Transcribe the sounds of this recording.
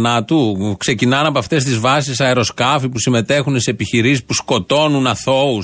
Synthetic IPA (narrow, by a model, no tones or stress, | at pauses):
nɐt̪ukse̞cinɐnɐpoɐft̪e̞st̪izvɐsisɐeɾo̞skɐfipusime̞t̪e̞xunsepiçiɾisispusko̞t̪o̞nunɐθo̞u